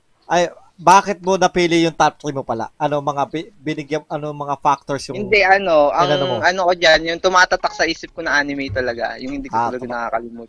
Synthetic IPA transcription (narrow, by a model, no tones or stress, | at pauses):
ʔɐj | baːkɪt̪̚monɐpiːlɪjʊŋt̪ap̚t̪ɾɪmopɐla̰ʔɐno̞mɐŋabɪbɪnɪɡjɐmɐnomɐŋafak̚t̪oɹsjʊhɪnd̪ɛʔɐno̞ʔɐŋnɐnomoɐnokod͡ʒanjʊŋt̪ʊmaːt̪ɐt̪ɐk̚sɐʔiːsɪp̚konɐŋʔaːnɪmɛjt̪ɐlɐɡa̰jʊŋhɪnd̪iːʊtɐlɐɡanɐka̰ːkɐlɪmut̪